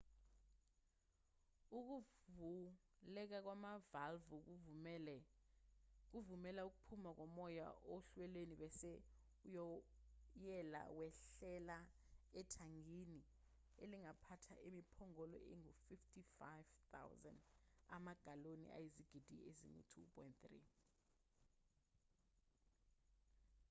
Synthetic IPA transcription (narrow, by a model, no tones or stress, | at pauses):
uk̬uu | lɛk̬ak̬wamavalvu | k̬uvumɛlauk̬upʰumak̬ɔmɔja̰ʔoɬwɛleniɓɛsɛ | ujɔ | jɛla̰wɛɬɛla | ɛtʰaŋini | eliŋapʰatʰa̰ʔemipʰɔŋɔlɔ̰ʔeŋufiftʰʼifajvt̪a̰wza̰nda̰maɡ̥ʱalonḭʔa̰jiziɡ̥ʱid̥ʱḭezḭŋṵtʰṵpʰʼɔ̰jntθrḭ